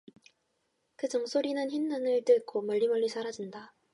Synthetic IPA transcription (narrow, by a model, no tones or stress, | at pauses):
kɯd͡ʑɯŋs͈ʰoɾinɯnçinːɯnɯɭt͈ɯk͈ʰomʌʎːimʌɭːisʰaɾad͡ʑinda